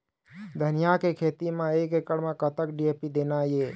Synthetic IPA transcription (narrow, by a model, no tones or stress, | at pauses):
d̪ʱənijakekʰet̪imeekekəɽmekət̪əkɖiepid̪enaje